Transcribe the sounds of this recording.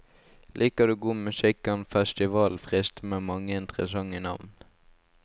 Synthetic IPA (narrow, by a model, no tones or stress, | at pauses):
lʔiːkəd̪ʉːɡuːmʉsɪkɑnfɛst̪ɪʋɑːlfʁɪst̪əmeːmɑŋəɪnt̪ʁə̰sɑŋɪnɑ̰ʋn